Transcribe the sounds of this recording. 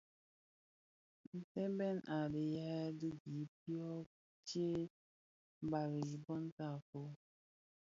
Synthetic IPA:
n̩˨te˦be˦n̩˦˨ʔa˨dɪ˨ja˦dʊ˦ɡi˨˦p̚i˦ɔ˦ | t͡ʃe˦ | ba˨ɾɪ˨i˨bɔ˦n̩˦ta˦˨fʊ˦

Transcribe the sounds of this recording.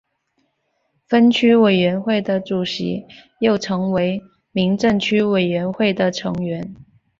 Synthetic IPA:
fə˥nt͡ɕʰy˥we˨˩ɪɥɛ˧˥nxwe˥˩ɪd̪ə˩ʈ͡ʂu˨˩ɕḭ˧˥jo˥˩ʊʈ͡ʂʰɤ˧˥ŋwe˧˥ɪ | mi˧˥ŋʈ͡ʂə˥˩ŋt͡ɕʰy˥we˨˩ɪɥɛ˧˥nxwe˥˩ɪd̪ə˩ʈ͡ʂʰɤ̰˧˥ŋɥɛ˧˥n

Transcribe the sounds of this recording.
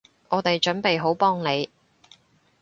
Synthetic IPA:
ɔː˨˧t̪e˨jt͡ʃɵ˨˥npe˨jɦo˨˥wpɔː˥ŋne˨˧j

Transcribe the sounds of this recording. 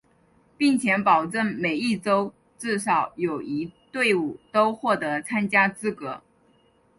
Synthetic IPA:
pi˥˩ŋt͡ɕʰjɛ˧˥npɑ˨˩ʊʈ͡ʂə˥˩nme˨˩ɪi˥˩ʈ͡ʂo˥ʊ | ʈ͡ʂɹ̩˥˩ʂɑ˨˩˥ʊjo˨˩ʊi˧˥t̪we˥˧ɪu˨˩t̪o˥ʊxwɔ˥˩t̪ɤ˧˥t͡sʰa˥nt͡ɕja˥t͡sɹ̩˥kɤ˧˥

